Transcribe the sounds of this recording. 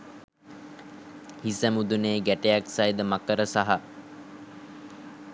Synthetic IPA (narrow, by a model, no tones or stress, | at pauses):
hisəmud̪uneːɡæʈejæksajd̪əmakəɾəsaɦa